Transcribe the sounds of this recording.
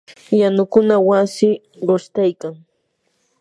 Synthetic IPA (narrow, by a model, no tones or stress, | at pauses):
janʊkʊnawasɪ | ɢoʃt̪ajkaŋ